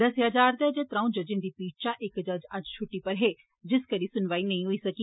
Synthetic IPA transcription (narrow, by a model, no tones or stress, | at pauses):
d̪ɐseəd͡ʒaːɾd̪ɛːd͡ʒeːt̪ɾãũd͡ʒɐd͡ʒɪ̃nd̪iːpiːt͡ʃaʔɪkd͡ʒɐd͡ʒɐd͡ʒt͡ʃʰʊʈːipɐɾɦeː | d͡ʒɪskəɾisʊnʋaːinɐĩɦʊisɐkiː